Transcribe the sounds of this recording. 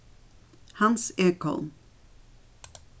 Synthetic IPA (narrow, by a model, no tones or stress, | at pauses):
hɑnseːkɔ̰ln